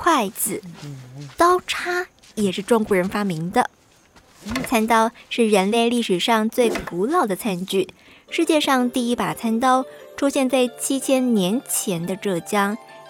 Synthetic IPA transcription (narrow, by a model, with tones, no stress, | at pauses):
kʰwa˥˩ɪt͡sɹ̩˨˩t̪ɑ˥ʊʈ͡ʂʰa˥ | jɛ˨˩ʂɻ̩˥˧ʈ͡ʂʊ˥˧ŋkwɔ˧˥ɻə˧˥nfa˥mi˧˥ŋd̪ə̰˧ | t͡sʰa˥nt̪ɑ˥ʊʂɻ̩˥˩ɻə˧˥nle˥˧ɪli˥˩ʂɻ̩˨˩ʂɑ˥˧ŋt͡swe˥˩ɪpʰu˧˥lɑ˥˩ʊd̪ə˩t͡sʰa˥nt͡ɕy˥˩ | ʂɻ̩˥˧t͡ɕjɛ˥˧ʂɑ˥˧ŋt̪i˥˩i˥pa˨˩t͡sʰa˥nt̪ɑ˥ʊʈ͡ʂʰu˥ɕjɛ˥˧nt͡sa˥˩ɪt͡ɕʰi˥t͡ɕʰjɛ˥nnjɛ˧˥nt͡ɕʰjɛ˧˥nd̪ə˧ʈ͡ʂɤ˥˩t͡ɕjɑ˥ŋ